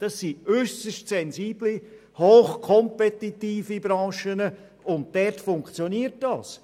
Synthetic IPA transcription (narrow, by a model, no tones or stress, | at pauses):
d̥ɑsːiøsəʃtsɛnziːbli | hoːχkʰɔmpɛtitiːfibɾɑ̃ːʃənə | ʊnt̚d̥ɛrtfʊŋkt͡sjoniːəɾt̚dɑːs